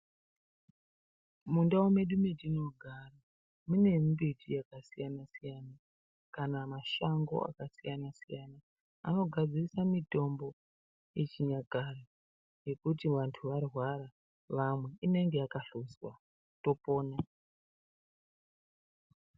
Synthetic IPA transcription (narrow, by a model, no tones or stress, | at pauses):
mundaume̞ɗumedino̞ɡʱara | mune̞mbetijakasijanasijana | kanamaʃaŋɡo̞̰a̰kasijanasijana | a̰no̞ɡʱad͡zirisamito̞mbo̞ | jet͡ʃiɲaɡʱaro | je̞kutiʋantʰuʋarwaɾa | ʋamwe̞ine̞ŋɡe̞jakaɬuswa̰ | to̞po̞ːna